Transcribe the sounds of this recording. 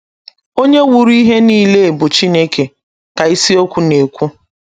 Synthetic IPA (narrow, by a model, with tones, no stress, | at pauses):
o˦ɲe˦wu˨ɾi˦ɦe˦niː˦le˦e˨bʊ˨t͡ʃi˦ne˦kʰe˨ | ka˨i˦si˦o˦kʷu˦ne˨kʷu˦